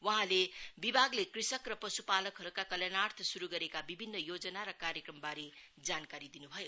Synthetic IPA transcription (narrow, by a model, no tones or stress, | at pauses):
wʌɦãlebibʱaɡlekrisʌkrʌpʌsupalʌkɦʌɾukakʌljanart̪ʰʌsuɾuɡʌɾekabibʱinːʌjod͡zʌnaɾʌkaɾjekrʌmbaɾe | d͡zankaɾid̪inubʱʌjo